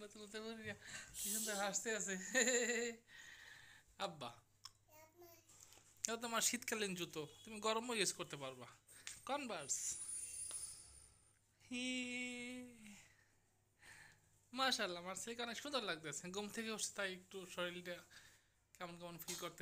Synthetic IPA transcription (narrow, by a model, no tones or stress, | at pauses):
nat̪unit̪eboɾinakiʃʰund̪aɾaʃt̪easʰe | abːa | et̪̬amaɾʃit̪kalind͡ʑut̪ot̪umiɡɔɾomojosʰkoɾt̪epaɾbakɔnbaɾs | hi | maʃalːamaɾseikanaʃund̪ɔɾlaɡ̚t̪easʰeɡomt̪ʰekeɦoe̥t̪ajek̚ʈuʃɔɾiliʈa | kɛmonkɛmonfilkoɾt̪e